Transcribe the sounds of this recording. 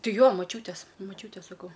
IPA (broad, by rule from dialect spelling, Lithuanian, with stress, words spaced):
ˈtɐɪ ˈjoː mɐˈt͡ʃʲuːtʲeːs mɐˈt͡ʃʲuːtʲeːs sɐˈkɐʊ